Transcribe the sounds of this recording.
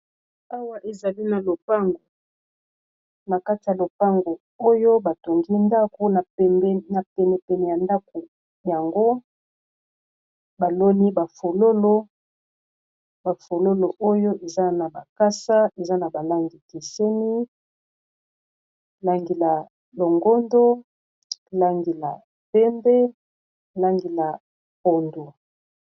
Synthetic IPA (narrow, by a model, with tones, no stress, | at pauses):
a˦wa˦ʔe˨za˨li˦na˨lo˨pa˦ŋɡo˨ | ma˨ka˦ti˨a˨lo˨pa˦ŋɡo˨ | o˦jo˦ba˨to˨ŋɡi˦nda˦ko˦na˨ɛ˨mbɛ˦na˨pɛ˨nɛ˨pɛ˨nɛ˨ja˨nda˦ko˨ | ja˨ŋɡo˦ | ba˨lo˦ni˦ba˨fo˨lo˦lo˦ | ba˨fo˨lo˦lo˨ʔo˦jo˦ʔe˨za˦na˨ba˨ka˦sa˦ʔe˨za˦na˨ba˨la˦ŋɡi˨ki˨se˦ni˦ | la˦ŋɡi˨la˨ | lo˨ŋɡo˦ndo˦ | la˦ŋɡi˨la̰˨ | pɛ˦mbɛ˦ | la˦ŋɡi˨la˨ | po˨ndo˨